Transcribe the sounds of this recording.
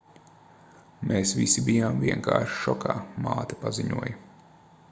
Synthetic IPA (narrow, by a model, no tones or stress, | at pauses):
mʔeːsʋisibijaːmviɛŋka̰ːɾʃi̥ʃɔkʰaːma̰ːt̪ɛ̥paziɲṵɔj